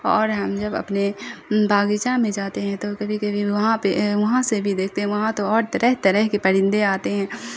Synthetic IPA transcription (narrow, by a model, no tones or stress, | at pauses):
ɔːɾɦɐmd͡ʒɐbɐ̰pnebʱaːɡɪt͡ʃamẽd͡ʒaːt̪eɦɛ̃t̪okɐbʱikɐbʱiʋɐɦãpeʋɐɦãsebʱid̪eːk̚ʰt̪eɦɛ̃ʋɐɦãt̪oɔːɾt̪ɐɾəɦt̪ɐɾəɦkepɐɽɪ̃nd̪eaːt̪eɦɛ̃ː